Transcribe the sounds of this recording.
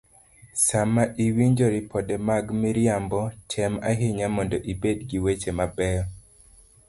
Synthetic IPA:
samaʔiwiɲd͡ʒɔɾipʰɔdɛmaɡmiɾiambɔtʰɛma̰ɦeɲamɔndɔʔibedɡiwet͡ʃemabɛjɔ

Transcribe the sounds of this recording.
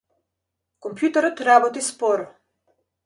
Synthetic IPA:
kɔmpʰjut̪ɛɾɔt̪ɾabɔt̪ispɔɾ

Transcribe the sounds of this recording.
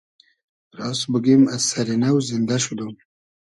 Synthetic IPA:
ɾɑsbəɡimasaɾinawzind̪aʃud̪um

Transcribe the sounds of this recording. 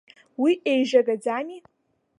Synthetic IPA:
wiʔejʒaɡad͡zani

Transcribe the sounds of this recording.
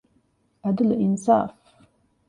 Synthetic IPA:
adɨlʔɪnsa̰ːf

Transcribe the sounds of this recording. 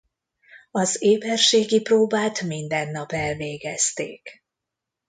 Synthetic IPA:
ɒzeːbɛrʃeːɡiproːbaːt̪mind̪ɛnːɒpɛlveːɡɛst̪ḛːk

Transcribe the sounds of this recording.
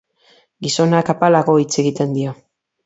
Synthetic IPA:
ɡiso̞nakapalaɣo̞it͡se̞ɣit̪e̞nd̪io̞

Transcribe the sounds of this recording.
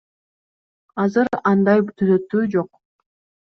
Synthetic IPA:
ɑzɯɾɑnd̪ɑjt̪ʰyzø̞t̪ːyːd͡ʒo̞q

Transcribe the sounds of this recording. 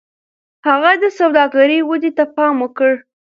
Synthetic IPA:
haɣad̪əsawd̪ɑɡaɾəwəd̪it̪apɑmokəɽ

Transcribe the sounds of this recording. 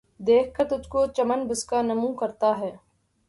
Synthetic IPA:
d̪eːk̚ʰkɐɾt̪ʊd͡ʒkot͡ʃɐmənbʊskanɐmũːkɐɾt̪aɦɛː

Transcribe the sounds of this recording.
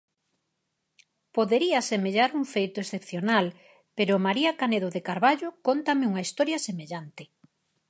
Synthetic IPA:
poðeɾiasemeʎaɾuŋfejt̪oesθepθjonal | peɾomaɾiakaneðoðekaɾβaʎokont̪amɪuŋaist̪ɔɾjɐsemeʎant̪ɪ

